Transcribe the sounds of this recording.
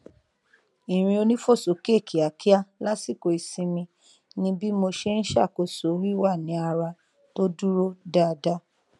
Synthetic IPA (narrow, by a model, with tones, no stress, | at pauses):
i˨ɾ̃ĩ˧o˧nĩ˦fo˦˨so˨˦ke˦˨kʰi˨a˨ki˦a˦la˦si˦˨ko˧˨i˨sĩ˧mĩ˧ | nĩ˦bi˦mo˧ʃe˦n̩˦ʃa˦˨ko˨so˨˦wi˦wa˦˨nĩ˨˦a˧ɾa˧ | to˦du˦ɾo˦da˦˧da˦